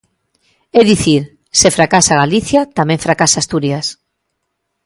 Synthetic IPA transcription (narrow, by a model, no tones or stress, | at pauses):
ɛðiθiɾ | sefɾakasaɣaliθjat̪amẽŋfɾakasaːst̪uɾjas